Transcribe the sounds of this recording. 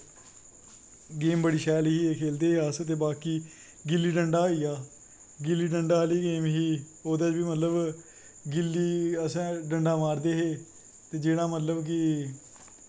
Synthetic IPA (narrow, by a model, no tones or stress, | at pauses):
ɡeːmbəɽiːʃɛːlɦiːekʰeːld̪eːɦeast̪eːbaːkiː | ɡɪlːiːɖəɳɖaːiːaː | ɡɪlːiːɖəɳɖaːliːɡeːmɦiː | oːd̪ad͡ʒbiːmət̪ləb | ɡɪlːiːəsãːɖəɳɖaːmaːɾd̪eːɦeː | t̪eːd͡ʒeːɽaːmət̪ləbk̬ɪ